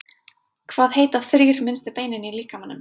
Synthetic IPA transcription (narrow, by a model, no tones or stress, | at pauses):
kʰvaːðɦejt̪aθɾiːɾ̥mɪnst̪ɪpeːjnɪniliːkamhanːʏm